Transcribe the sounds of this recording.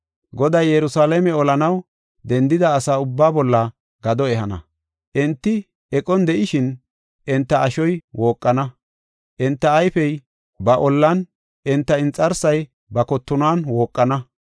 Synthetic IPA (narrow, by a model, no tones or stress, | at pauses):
ɡɔd̪ɐjːɛɾʊsaːlɛmɛɔlɐnɐw | d̪ɛnd̪ɪd̪ɐːsaːʊbːaːbɔlːɐ | ɡɐd̪ɔɛhɐnɐ̰ | ʔɛnt̪ːɪ | ɛkʼɔnd̪ɛʔɪʃɪn | ʔɛnt̪ːɐʔːʃɔjwo̞ːkʼːɐnɐ | ʔɛnt̪ːɐːjfɛj | bɐʔɔlːɐn | ʔɪnt̪ːɐɪnt͡sʼːɐɾsɐj | bɐkɔt̪ːʊnaːnwo̞ːkʼːɐnɐ